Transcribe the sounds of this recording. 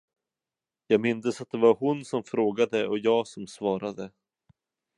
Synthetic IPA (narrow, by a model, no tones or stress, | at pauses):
jɑːɡmɪnd̪əsat̪̚d̪ɛvaɾhʊnsɔmfɾoːɡad̪əɔjɑːɡsɔmsvɑːɾad̪ə